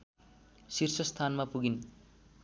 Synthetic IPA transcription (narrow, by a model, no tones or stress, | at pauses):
sirsʌst̪ʰanmapuɡin